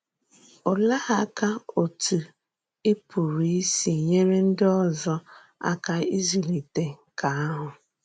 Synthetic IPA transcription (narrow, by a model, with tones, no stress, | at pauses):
ʊ˨la˦ha˦ka˦o˨tu˨ | ɪ˦pu˨ɾi˨˦si˨ɲe˦ɾe˦n̩˦dɪ˦ɔ˦zɔ˦ | a̰˦ka˦i˦zi˨li˨te˦ka˨a˦ɦʊ˨